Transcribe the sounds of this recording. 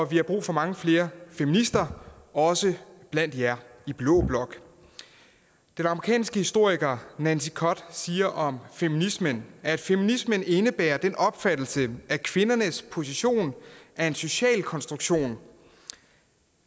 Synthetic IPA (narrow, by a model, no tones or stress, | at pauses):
ɒ̽ʋihɑ̈b̥ʁṵːfɒ̽mɑ̈ŋəfle̝ːɐfeminisd̥ɐɒ̽səb̥læn̰d̥jæib̥lɔ̰ːb̥lɒ̽ɡ̥ | d̥enɑ̈məʁikʰɛ̰ːnsɡ̥əhisd̥o̝ɐ̰iɡ̥ɐnænsikʰɒ̽d̥siːɐʔɒ̽mfeminismənæd̥feminisməne̝nəb̥æ̰ːɐd̥enɒ̽b̥fæd̥l̩səʔækʰʋe̝nɐnəspʰo̝s̬iɕo̝̰ːnʔæe̝nso̝ɕɛ̰ːlkʰɒ̽nsd̥ʁuɡ̥ɕo̝̰ːn